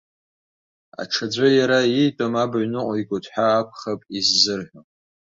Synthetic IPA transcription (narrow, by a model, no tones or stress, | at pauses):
a̰ʈ͡ʂʰad͡zʷajaɾaitʼamabʕʷnɨqʷʼjɡʷʼʊtʰʼħʷᶣaːkʷʰχapʼizːɨrħʷᶣo